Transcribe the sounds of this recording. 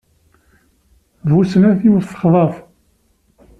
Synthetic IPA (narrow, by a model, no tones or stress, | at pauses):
vusnæθjuɾθə̥χðˤɑf